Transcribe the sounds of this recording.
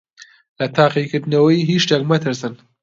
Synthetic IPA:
lɐt̪ʰaːqikɨɾd̪nɐwɐjiɦiʃt̪ɛkmɐt̪ʰɨɾsɨn

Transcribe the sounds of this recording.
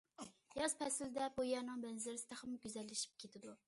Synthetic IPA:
jɑz̥pʰɛsɪld̪ɛbojɑːnɨŋbɛnzlɪɾsɪd̪æχæmɡʲyzɛlːɪʃi̥p̚kʲʰet̪ʰɪd̪u

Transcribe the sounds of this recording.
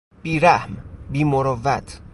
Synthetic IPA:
b̥iːɾæhmbiːmoɾɔvæt̪ʰ

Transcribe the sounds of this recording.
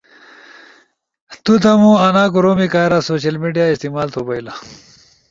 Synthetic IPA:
t̪ut̪ɐmũɐnaːkuɾoːmikaːɾasoːɕɐlmiɖijaist̪imaːlt̪ʰobɐila

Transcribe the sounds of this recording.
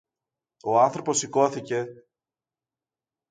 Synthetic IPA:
o̞ɐnθɾo̞po̞siko̞θice̞

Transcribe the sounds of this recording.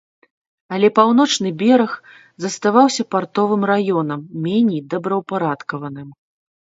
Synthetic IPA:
ɐlʲɛpawnɔt͡ʂnɨbʲɛɾɐx | zɐst̪avawsʲɐpart̪ɔvɨmrajɔnɐmːʲɛnʲɛjd̪ɐbɾɐwpaɾat̪kɐvɐnɨm

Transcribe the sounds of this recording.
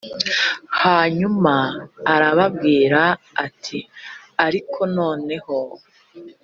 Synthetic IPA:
haːɲumaːɾaβabɡiːɾaː | tʰi | aɾikʰo̞no̞ːne̞ho̞

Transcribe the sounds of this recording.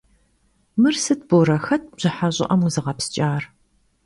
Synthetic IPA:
mɨrsɨt̚ʰboɾɐxɐt̚ʰbʑ̥ɪħaɕʼɪ̰ʔɐmuzɨʁɐpst͡ʃʼaːr

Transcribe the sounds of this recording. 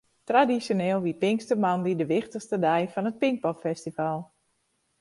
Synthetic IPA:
tradisjonɪːlˠʋipɪŋkstəmandidəʋɪxtəxstədɛjfɔnət̚pɪŋk̚pɔpfɛstifalˠ

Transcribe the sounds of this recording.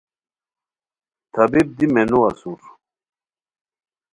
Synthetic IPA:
t̪ʰɐbib̚d̪imɛnuɐsuɾ

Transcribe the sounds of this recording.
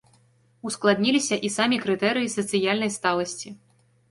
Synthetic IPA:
usklˠad̪nʲilʲisʲɐʔisamʲikɾɨt̪ɛɾɨjisɐt̪sɨjalʲnɐjst̪alˠɐsʲt͡sʲi

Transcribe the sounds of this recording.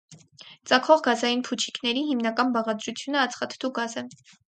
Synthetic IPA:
t͡sɑkʰɔʁɡɑzɑjinpʰut͡ʃʰi̥knɛɾiɦimnɑkɑnbɑʁɑd̪ɾut͡sʰjunəɑt͡sʰχɑt̪ʰt̪ʰuɡɑzə

